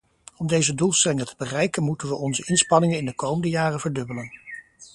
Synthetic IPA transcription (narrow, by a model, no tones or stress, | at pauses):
ɔmdejzədulˠstɛlɪŋətə̥bərɛjkənmutənʋəʔɔnzəʔɪnspɑnɪŋənɪndəkowməndəjaːrəvəɹdɵbələn